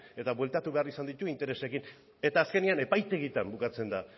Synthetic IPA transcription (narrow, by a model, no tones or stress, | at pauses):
e̞t̪aβwe̞lt̪at̪uβe̞arisand̪it̪uint̪e̞ɾese̞kin | e̞t̪aːske̞niane̞pajt̪e̞ɣ̞it̪ambukat͡se̞nd̪a